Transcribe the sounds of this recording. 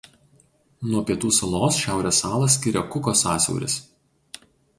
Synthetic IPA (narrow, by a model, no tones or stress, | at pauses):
nuɔpʲiɛt̪uːsɐlˠoːsʃʲæˑʊɾʲɛsɑːlˠɐs̬ʲkʲɪɾʲɛkʊkosɑːsʲɛ̰ʊɾʲɪ̰s